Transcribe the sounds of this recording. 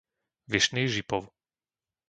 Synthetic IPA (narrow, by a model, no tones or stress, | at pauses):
ʋiʃniːʒipɔw